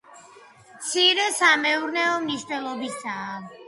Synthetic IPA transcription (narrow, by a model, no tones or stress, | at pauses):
mt̪sʰiɾɛsamɛuɾnɛɔmniʃt̪ʼɛlˠɔbisaː